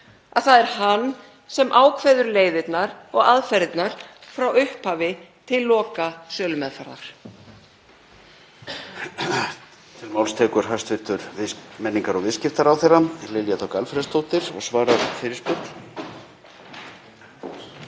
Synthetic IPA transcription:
aðθaðɛɾ̥hanː | sɛmʔaːwkʰvɛðʏɾleːjðɪt̪naɾɔɣaðfɛɾɪt̪naɾ̥fɾawʏhphaːvɪt̪ʰɪlːɔːkasœːlʏmɛðfaɾða̰ɾ̥ | t̪ʰɪlmawlst̪ʰɛːkʏɾ̥ɦast̪vɪɾ̥t̪ʏɾvɪsmɛnːiŋkaɾɔɣvɪðscɪft̪aɾawθerːaɛɾlɪljat̪ʰɔkalfɾɛst̪ʰoːwt̪ɪɾ̥ɔ̰ɣsvaːɾaɾ̥fɪːɾɪɾspʏt̪l̥

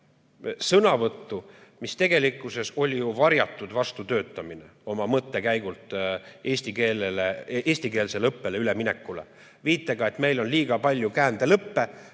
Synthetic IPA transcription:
sɤnɑvɤt̪ːumist̪e̞ɡ̥e̞likːˑuse̞so̞lʲijuvɑɾjɑt̪ːˑud̪̥vɑst̪ut̪ø̞ːt̪ːˑɑmineo̞mɑmɤt̪ːe̞kæjɡ̥ult̪ˑe̞ːsʲt̪ikeːleleeːsʲt̪ike̞ːlse̞lɤpːe̞leylemine̞kːˑulḛ | viːt̪ːˑeɡ̥ɑe̞t̪me̞jlo̞nliːɡ̥ɑpɑlʲjukæːnd̪̥elɤpːe̞

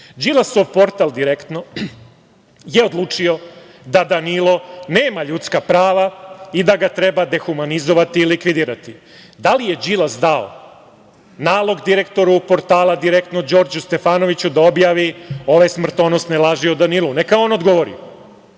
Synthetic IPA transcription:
d͡ʒilasoʋpo̞ɾt̪alˠd̪iɾekt̪no̞ | jeo̞d̪lˠuːt͡ʂio̞ | d̪ad̪anilˠo̞ne̞ːmaʎut̪skapɾaːʋaid̪aɡat̪ɾe̞bad̪exumanizoʋat̪iːlikʋid̪iːɾat̪i | d̪alije̞d͡ʒilazd̪ao̰ | naːlˠo̞ɡd̪iɾekt̪o̞ɾupo̞ɾt̪aːlˠad̪iɾekt̪nod͡ʑo̞ːɾd͡ʑust̪e̞faːnoʋit͡ɕud̪aobjaːʋio̞ʋajsmr̩t̪o̞nost̪nelˠaʒiod̪anilˠune̞kaoːno̞d̪ɡoʋoːɾḭo̰

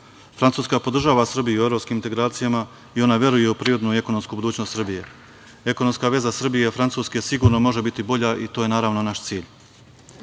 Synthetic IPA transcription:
fɾant̪uːskapo̞d̪r̩ʒaːʋasr̩bijue̞vɾo̞pskimint̪e̞ɡɾaːt̪sijama | io̞naʋje̞ɾuje̞upɾiːɾo̞d̪nuie̞kono̞mskubud̪uːt͡ɕnost̪sr̩bije̞ | e̞kono̞mskaʋe̞zasr̩bijefɾant̪suːske̞siɡuːɾno̞mo̞ʒe̞bit̪ibo̞ʎaʔit̪o̞ːje̞naːɾaʋno̞naʃt̪siːʎ

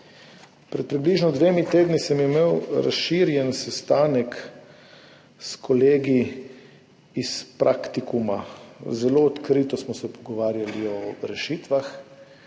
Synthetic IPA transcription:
pɾɛt̪̚pɾibliʒnɔd̪ʋeːmit̪eːd̪nisɛmimeːwɾa̰sʃiɾjɛnsɛst̪aːnɛk | skʰɔleːɡi | ispɾʔakt̪ikumazɛloɔt̪kɾiːt̪ɔsmɔsɛpɔɡɔʋaːɾjaliɔɾɛʃiːt̪ʋax

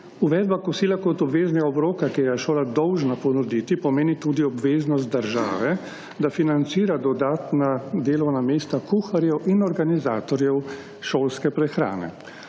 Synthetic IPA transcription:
uʋɛd̪̚bakɔsiːlakɔt̪ɔbʋeːznɛɡaɔbɾoːkakiɾjɛʃoːlad̪ɔwʒnapɔnɔd̪it̪ipɔmeːnit̪ud̪iɔbʋeːznɔst̪̚d̪əɾʒa̰ːʋɛ | d̪afinant̪siːɾad̪ɔd̪aːt̪nad̪eːlɔwnameːst̪akuxaɾjɛwinɔɾɡanizaːt̪ɔɾjɛw | ʃoːlskɛpɾɛxɾa̰ːnɛ̰

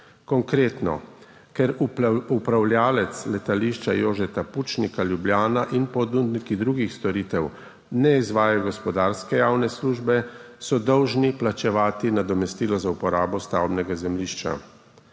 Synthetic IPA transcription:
kɔŋkɾeːt̪nɔ̰ | kɛɾuupɾawljaːlɛt̪slɛt̪aliʃt͡ʃa̰joːʒɛt̪aput͡ʃnikaljubljaːnaʔinpɔd̪und̪nikid̪ɾuɡixst̪ɔɾiːt̪ɛw | nɛizʋaːjaɡɔspɔd̪aːɾskɛjaːwnɛsluːʒbɛsɔd̪ɔwʒniplat͡ʃɛʋaːt̪inad̪ɔmɛst̪iːlɔzaupɔɾaːbɔst̪awbnɛɡazɛmliʃt͡ʃa̰

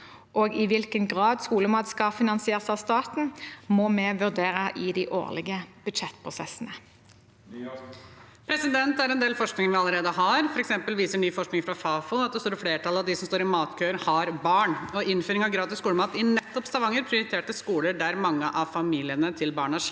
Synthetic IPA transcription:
ʔɔɡɪʋɪlkənɡʁɑːd̪skuːləmɑːt̪skɑfɪnɑnsɪeːʁəsɑʋst̪ɑːt̪n̩mɔmɛʋʉʁd̪eːɾəʔɪd̪ɪʔo̰ːʁlɪ̰ɡəb̥ʉd̪ʃɛt̪ːpʰʁʊsɛ̰sːənə | pʰɾɛsɪd̪ɛnt̪æɾɛnd̪eːlfɔʂknɪŋəʋɪɑləɾeːd̪əɦɑɾfɔɾɛksɛmpəlʋiːsəɳyːfɔʂknɪŋfɾɑfɑːfʊɑt̪̚d̪ɛst̪oːɾɪfleːʈʰɑlɑʋd̪ɪsɔmst̪oːɾɪmɑːt̪kʰøːəɾhɑɾbɑːɳɔʔɪnføːɾɪŋɑʋɡɾɑːd̪ɪskuːləmɑːt̪ɪnɛt̪ːɔpst̪ɑʋɑŋːəɾpʰɾɪʊɾɪt̪ʰeːʈəskuːləɖæɾmɑŋːəʔɑʋfɑmiːlɪənət̪ʰɪlbɑːɳəæʂ

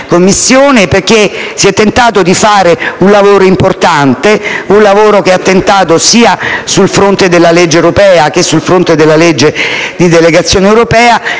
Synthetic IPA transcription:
komːisːjoːneperk̟esiɛt̪ːent̪aːt̪od̪ifaːɾeunlavoːɾoimport̪ant̪eunlavoːɾok̟eat̪ːent̪aːt̪osiːasulfɾont̪ed̪elːaled͡ʒːewɾopɛːakesulfɾont̪ed̪elːaled͡ʒːed̪id̪eleɡat̪sːjoːnewɾopɛːa

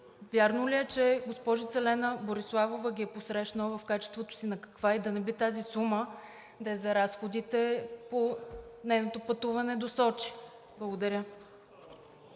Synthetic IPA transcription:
vʲjaɾnolʲiɛt͡ʃɛɡospɔʒit̪sɛlɛnəboɾislˠavovəɡʲiɛposɾɛʃnəvɐfkat͡ʃɛst̪vot̪o̥sinɐkɐ̥kvaid̪ɐnɛbit̪azisumə | d̪ɛɛzɐɾasxod̪it̪ɛponɛjnot̪opɐt̪uvɐnɛd̪osɔt͡ʃi̥ | blˠɐɡod̪ɐɾʲjə

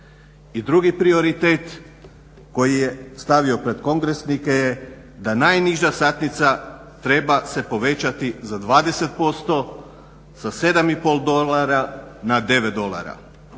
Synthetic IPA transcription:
id̪ɾuɡipɾio̞ɾit̪eːt̪ | ko̞jijest̪aʋio̞pɾe̞d̪ko̞ŋɡɾesnikeje | d̪anajniʒasat̪nit̪sa | t̪ɾe̞base̞po̞ʋe̞t͡ɕat̪izad̪ʋaːd̪e̞se̞t̪̚po̞st̪o̞ | sase̞d̪amipolˠd̪o̞laɾanad̪e̞ʋed̪o̞lˠa̰ɾa̰

